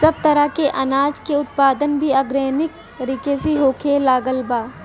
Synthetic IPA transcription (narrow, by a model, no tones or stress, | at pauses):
sɐb̚t̪ɐɾəkeʔɐnaːd͡ʒkeʊt̪̚paːd̪ənbʱiɐɡɾeːnɪk̚ | t̪ɐɾiːkeseɦoːkʰelaːɡəlbaː